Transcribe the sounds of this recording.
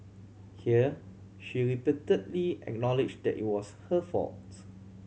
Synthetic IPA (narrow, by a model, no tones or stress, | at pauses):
hiə | ʃiɹipitə̃ntliɛ̰k̚nɔliɪd͡ʒd̪ɛ̰tḭt̚wɔshəfɔ̰t